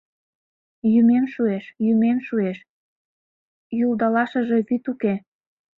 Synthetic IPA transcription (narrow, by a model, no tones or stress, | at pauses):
jymemʃueʃjymemʃueʃ | juld̪ɑlɑʃə̆ʒe̽βyt̪uke